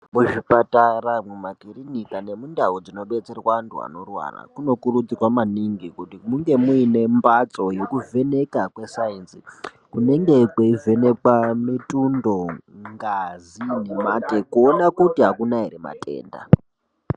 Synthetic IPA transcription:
muʐipataramwemakirinikane̞mundaɦod͡zino̞ɓe̞t͡se̞rwantua̰no̞rwa̰ra̰kuno̞kurud͡zirwamaniŋɡikutimuŋɡe̞muine̞mbat͡so̞je̞kuve̞ne̞kakwe̞sainsi | kune̞ŋɡe̞kweive̞ne̞kwamitundo̞ŋɡazinimatekuonakutiɦakunaɦeɾema̰tʼe̞̰ːnda̰

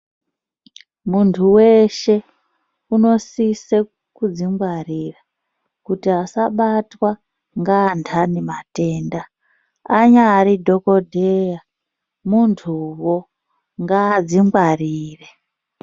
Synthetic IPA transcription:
muntʰuwe̞ʃe̞ | uno̞sise | kud͡ziŋɡwarira | kutiasaɓatwa | ŋɡaːntʰanemate̞ːndaː | ɲaːɾidʱo̞kodʱeja | muntʰuwo | ŋɡaːd͡ziŋɡwariːre

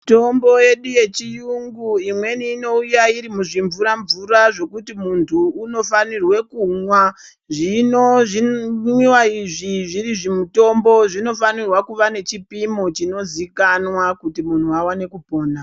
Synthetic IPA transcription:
to̞mboje̞ɗuje̞t͡ʃijuŋɡuimwe̞niːno̞ujaiɾimuʐiɱvuɾaɱvuraʐo̞kutimuntʰuːno̞fanirwe̞kuŋwa | ʐinoʐiwiwaiʐiʐiɾiʐimuto̞mbo̞ʐino̞fanirwakuʋane̞t͡ʃipimo̞t͡ʃino̞zikanwakutimun̤uawane̞kupo̞ːna

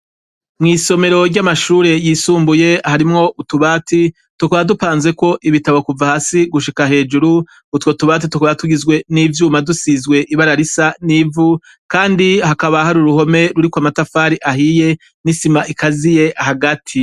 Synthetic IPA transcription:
mŋiːso̞me̞ɾo̞ɟɟamaʃuːɾe̞jiːsuːmbuje̞haɾimŋo̞ʔutuβaːtʰi | tukaβadupaːnze̞ko̞ʔiβitaβokuvahaːsiɡuʃikaɦe̞ːd͡ʒuɾuː | two̞tuβaːt̬itukaβatuɡizɡwe̞niːvjuːmadusizɡwe̞ʔiβaɾaɾisaniːvu | kaːndihakaβahaɾuɾuho̞me̞ɾuɾikwamatafaːɾiʔahije̞ | nisimaʔikazije̞ʔahaɡatʰi

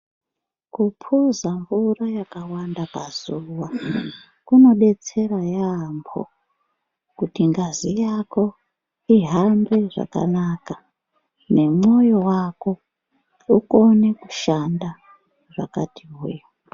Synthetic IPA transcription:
kupʰuzaɱvurajakawandapazuwa | kuno̞ɓe̞t͡se̞rajambʰo̰ | kutiŋɡazijako̞ | iɦambeʐa̰ka̰naːka | ne̞mo̞jo̞wako̞ | uko̞ne̞kuʃanda | ʐakatʰiɦṵjo

